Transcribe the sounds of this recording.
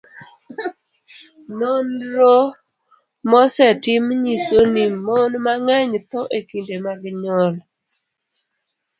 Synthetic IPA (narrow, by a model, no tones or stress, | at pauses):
nonɾo | mɔsɛtɪmɲisonimːonmaŋaɲt̪ɔʔekindemaɡɪɲɔl